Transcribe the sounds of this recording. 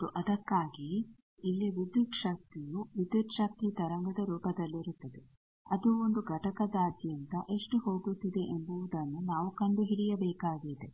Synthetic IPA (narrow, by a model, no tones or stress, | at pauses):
t̪uʔɐd̪ɐkːaːɡiː | lːiʋid̪ːut̪ʂɐk̚t̪ijuʋid̪ːut̪ʃɐk̚t̪it̪ɐɾɐŋɡɐd̪ɐɾuːpɐd̪ɐlːiɾut̪ːɐd̪e | ɐd̪uond̪uɡʱɐʈɐkɐd̪aːd̪jɐnt̪ɐʔe̞ʂʈuhoːɡut̪ːid̪e̞ʔembuʋud̪ɐnːunaːʋukɐɳɖuɦiɽijɐbɛːkaːɡid̪e